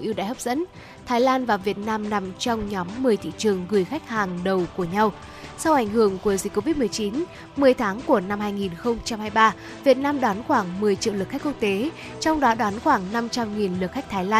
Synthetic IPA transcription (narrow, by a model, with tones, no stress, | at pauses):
ʔi˧ə˧wɗa̰˧˨jhə˦˥p̚zə̰˧˥n | t̪ʰaː˨˦jlaː˧nvaː˨˩vi˨˩ət̚naː˧mna˨˩mt͡ɕɔ˧wŋ͡mɲɔ˨˦mːɨ˨˩əjt̪ʰḭ˧˨t͡ɕɨ˨˩əŋɣɨ˨˩jxa˦˥jk̟̚haː˨˩ŋɗə˨˩wku˧˩əɲa˧w | sa˧wʔa˧˩jŋ̟hɨ˧˩əŋku˧˩əzi̟˨˩kːo˧vi˦˥t̚mɨ˨˩əjt͡ɕi˨˦n | mɨ˨˩əjt̪ʰaː˨˦ŋku˧˩əna˧mhaː˧jŋi˨˩nxə˧wŋ͡mt͡ɕa˧mhaː˧jɓaː˧ | vi˨˩ət̚naː˧mɗwaː˨˦nxwaː˧˩ŋmɨ˨˩əjt͡ɕḭ˧˨wlɨ˨˩kxkk̚t̪e˨˦ | t͡ɕɔ˧wŋ͡mɗɔ˨˦ɗwaː˨˦nxwaː˧˩ŋna˧mt͡ɕa˧mŋi˨˩nlɨ˨˩k̚xa˦˥k̟̚t̪ʰːjlaː˧